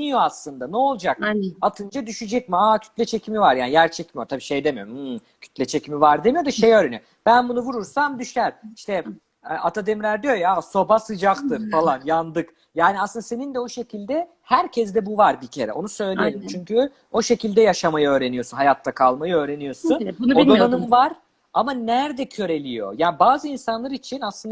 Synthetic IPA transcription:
ijo̞aslˠɯnd̪anɛo̞lˠd͡ʒakat̪ʰɯnd͡ʒad̪yʃyd͡ʒɛcmiaːcʰy̥t̪lʲɛt͡ʃʰe̞cʰimivaɾjaːnijæɾt͡ʃʰɛcmijot̪ʰabiːʃe̞jd̪e̞mijoɾ | cʰy̥t̪ʰlʲɛt͡ʃʰecimivaɾd̪e̞mijo̞d̪aʃe̞jøːɾenijo | b̥ænbunuvuɾuɾsamd̪yʃæɾiʃt̪ɛ | at̪ʰad̪emlʲæɾd̪ijo̞jaso̞basɯd͡ʒakt̪ʰɯɾfalˠanjand̪ɯk | jaːniaslɯnd̪ase̞nind̪ɛo̞ʃe̞cʰilʲd̪ɛ | hæɾcʰɛzd̪ɛbuvaɾbicʰe̞ɾɛ̰ʔo̞̰nusø̞jlʲejelʲimt͡ʃʰyɲcʰy | o̞ʃe̞cilʲd̪ɛjaʃamajɯø̞ːɾe̞nijo̞sunɦajat̪ʰːakʰalˠmajɯø̞ːɾe̞nijo̞sunod̪onanɯmvaɾ | amanæɾd̪ɛcʰø̞ɾe̞lʲijo̞̰jaːbaːzɯinsanlˠaɾit͡ʃʰinaslɯnd̪

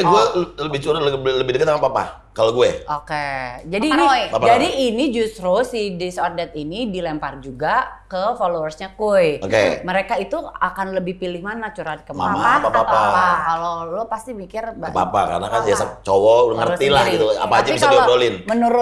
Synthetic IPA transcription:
aɡuɛləbɪht͡ʃuɾalbləbɪhdəkət̪amapapa̰ | kaloɡuɛʔoked͡ʒadiːnpapad͡ʒadiinid͡ʒust̪ɾusidisɔrdɛt̪inidilɛmpard͡ʒuɡakəfolowərsɲakojokeməɾekait̪uakanləbɪhpilɪhmanat͡ʃuɾankəma̰aapapapaakaloluapast̪imikɪrbaapapa̰ka̰rnakaniasat͡ʃowɔŋərt̪ilahɡit̪ua̰paːd͡ʒabisaladolɪnmənuɾʊ

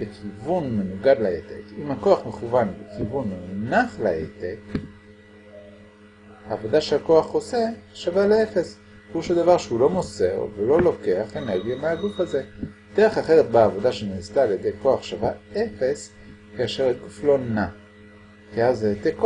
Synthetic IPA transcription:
bekʰivunme̞nuɡad̪laet̪ekimhakoaχmeχuvanbekivunːonaχlaet̪ek | haːvo̞d̪aʃeako̞aχoseʃavaleefe̞s | uʃed̪avaʁʃeulo̞mose̞̰ʁvelo̞lo̞ke̞aχeneʁɡijameaɡufaze̞ | d̪̥eʁeχaχeʁet̪̚baːvo̞daʃeneːst̪aːljed̪ejko̞aχʃavaefe̞s | kaaʃeʁaɡuflo̞na | keazeet̪ek

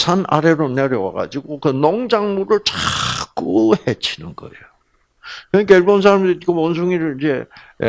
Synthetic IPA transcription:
sʰanʔa̰ɾe̞ɾoneɾjʌwaɡa̰d͡ʑiɡokɯnoŋd͡ʑaŋmuɾɯɭt͡ɕak͈ɯhet͡ɕʰinɯnɡ̥ʌ̰ejo | kɯɲikeɭbons̬ʰaɾamdɯɾikɯmʌns̬ʰuŋiɾɯɭid͡ʑe̞̰

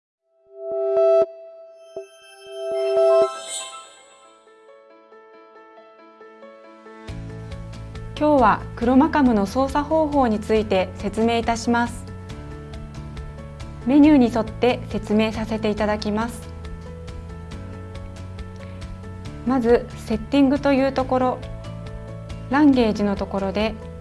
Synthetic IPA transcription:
kʲo̞ːβakɯ̟ɾo̞makamɯ̟no̞so̞ːsaho̞ːɦo̞ːɲ̟it͡sɨit̪e̞se̞t͡sɨme̞ːit̪aɕimasɨ̥ | me̞ɲ̟ɨːɲ̟iso̞t̪ːe̞se̞t͡sɨme̞ːsase̞t̪e̞it̪ad̪akʲimasɨ̥ | mazɨ | se̞t̪ʲːĩŋɡɯ̟t̪o̞jɯ̟ːt̪o̞ko̞ɾo̞ | ɾãŋɡe̞ːʑino̞t̪o̞ko̞ɾo̞d̪e̞

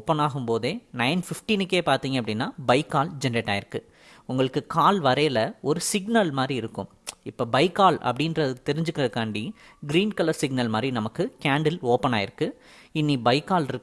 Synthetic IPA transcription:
pːɐnaːɣɯmpoːðeːnɐɪnfɪfʈinɯkːeːpaːɾt̪iːŋɡɐpːɐɽɪnːaːbɐɪkːaːld͡ʒɛnɖɐʈːaːjɪɾɯkːɯ | ʊŋɡɐɭɯkːɯkaːlʋɐɾɐjlɐɔɾɯsɪɡnɐlmaːd̪ɾiɪɾɯkːʊ̰̃mɪpːoːbɐɪkːaːlɐ̰pːɐɽinɾɐðɯt̪ɛɾɪɲd͡ʒɯkːɪɾɐkaːɳɖi | ɡɪɾiːnkɐlɐɾsɪɡnɐlmaːd̪ɾinɐmɐkːɯkaːɳɖɪloːpːɐnaːɪɾɯkːɯ | ɪnːibɐɪkːaːlɪɾɯ

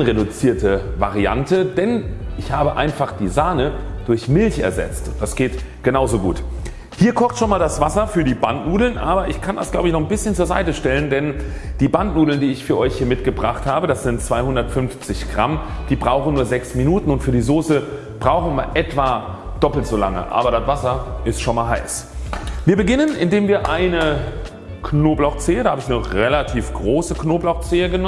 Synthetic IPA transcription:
nʁedʊt͡siːɐtəva̰ʁia̰ntəd̥ɛnʔɪçhaːbəʔa̰ɪnfaχd̥iːzaːnəd̥ʊɐçmɪlçɛ̰ɐzɛ̰t͡std̥asɡ̥eːt | ɡ̥ənaʊzoɡṵːt | hiːɐkʰɔχtʃoːnmaːldasv̥asɐfyːɐdiːbantnuːdl̩nʔaːbɐʔɪçkʰanda̰sɡ̥laʊbəɪçnɔχnbɪsçənt͡suːɐza̰ɪtəʃtɛləndɛnd̥iːbantnuːdl̩ndiːɪçfyːɐʔɔʏçhiːɐmɪtɡ̥əbʁaχthaːbədasz̥ɪntt͡sv̥aɪhʊndɐtfʏnft͡sɪçɡ̥ʁa̰md̥iːbʁaʊxn̩nuːɐzɛksminuːtn̩ʊntfyːɐdiːzoːsə | b̥ʁaʊxn̩miːɐʔɛtv̥aː | d̥ɔpl̩tz̥oːla̰ŋə̰ʔa̰ːbɐɾastv̥asɐʔɪstʃoːnmaːlɦa̰ɪs | viːɐbəɡɪnənʔɪndeːmviːɐʔaɪnə | kʰnoːblaʊxt͡seːədaːhaːbəɪçnəʁelatʰiːfɡ̥ʁoːsəknoːblaʊxt͡seːəɡən

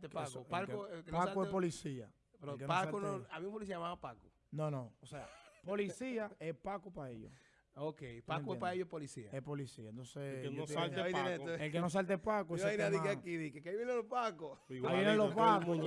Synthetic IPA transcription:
t̪epaopalkoelkenoasakoepolisia | peɾekenaaonoamimpolisiaamaβapako̥ | nõnõosea̰polisiaepakopaeʎo̰ | okejpaekoepaejoepolisiaepolisiaẽnt̪onseenoaleelkenos̬alt̪̬epakoensõaajnaðjekakiðikekaiβjenelopakoaβjenẽlopako

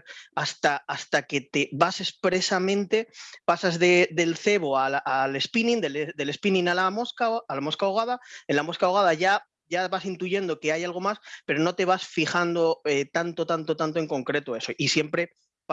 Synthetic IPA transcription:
ast̪aːst̪ake̞t̪e̞βase̞spɾe̞samẽnt̪e̞pasazðe̞d̪e̞lθe̞βoalale̞spinĩnd̪eled̪e̞le̞spinĩnalamoskaːlamo̞skaoɣ̞aðaenlamo̞skaoɣ̞að̞aʝa | ʝaβasint̪uʝe̞nd̪o̞ke̞ajalɣ̞o̞maspe̞ɾo̞no̞t̪e̞βasfixand̪o̞et̪ant̪o̞t̪ant̪o̞t̪ant̪oe̞ŋko̞ŋkɾe̞t̪oe̞so̞ʔisje̞mpɾe̞

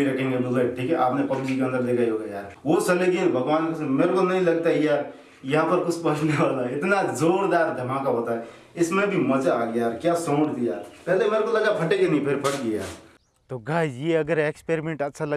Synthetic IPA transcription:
iɾɐkʰẽŋɡemʊəʈʰiːkɛʔaːpnepɐbd͡ʒikeə̃nd̪əɾleɡaiɦoɡajaːɾʋosɐleɡiẽbʱɐɡʋaːnkosmeːɾkonɐɦĩlɐɡ̚t̪aɦijaːɾ | jɐɦãpəɾkʊt͡ʃʰpɐt͡ʃʰneʋaːlaɪt̪nad͡ʒoːɽd̪aːɾd̪ʱɐmãkaɦoːt̪aɛ | ɪsmẽbiməd͡ʒaaɡjaːɾkjasõːʈd̪ijaːɾpɛɦlemeːɾkoləɡapʰɐʈeɡenĩpʰɪɾpʰəʈɡija̰ːɾ | t̪oɡʱaːjeɐɡəɾekspeːɾimẽːɳʈɐt̪ːʃʰalɐ

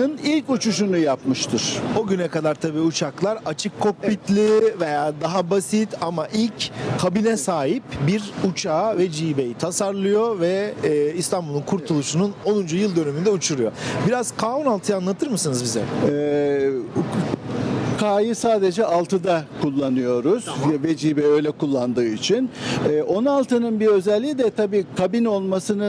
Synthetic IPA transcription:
ɯnilʲcut͡ʃuʃunujapmɯʃt̪ʰɯɾ̥oɟynɛkad̪aɾt̪ʰabiːut͡ʃʰaklˠaɾat͡ʃʰɯkʰːo̞k̚bit̪lʲivejaːd̪aɦabasit̪ʰamaʔilʲckʰabinɛsaːɦipbiɾut͡ʃʰaːvɛd͡ʒiːbe̞jit̪ʰasaɾlˠɯjo̞vɛist̪ʰanbulˠunkʰuɾt̪ʰulˠuʃununo̞nund͡ʒujɯlˠd̪ø̞nemynd̪ɛut͡ʃʰuɾujo̞̰biɾaz̥kʰaːunalˠt̪ʰɯjanlˠat̪ʰɯɾmɯsɯnɯzbizɛ̰ɛ | kʰaːjɯsaːd̪e̞d͡ʒɛʔalˠt̪ʰɯd̪akʰulˠːanɯjo̞ɾuz̥vɛd͡ʒiːbɛø̞jlʲɛkulˠːand̪ɯːit͡ʃʰinɛːʔo̞nalˠt̪ʰɯnɯnbiø̞zɛlʲːid̪ɛt̪ʰabiːkʰabino̞lˠmasɯnɯ

